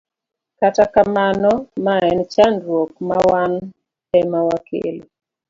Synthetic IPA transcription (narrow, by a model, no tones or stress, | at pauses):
katakamanɔmaɛnt͡ʃandwɔk̚mawan | ɛmawakʰḛlo